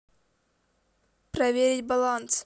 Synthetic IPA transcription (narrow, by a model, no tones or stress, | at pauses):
pɾɐvʲeɾʲɪtʲbɐlˠant̪s